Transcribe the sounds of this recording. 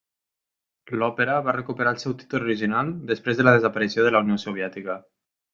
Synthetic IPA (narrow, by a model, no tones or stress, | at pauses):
lɔpəɾəβarəkupəɾaəlˠsɛwt̪i̥t̪uluɾiʒinalˠd̪əspɾezðələðəzapəɾisioðəlauniosuβ̞iɛt̪ikə